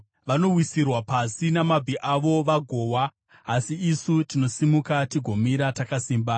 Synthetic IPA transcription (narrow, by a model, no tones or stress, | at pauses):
ʋano̞wisirwapasinamabʱiʔaʋo̞ʋaɡʱo̞ːwaː | siːsutino̞simukatiɡʱo̞miɾatakasiːmba